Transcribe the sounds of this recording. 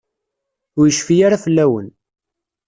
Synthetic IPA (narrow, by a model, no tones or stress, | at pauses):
ʊɾjəʃfijaɾafəlːæwən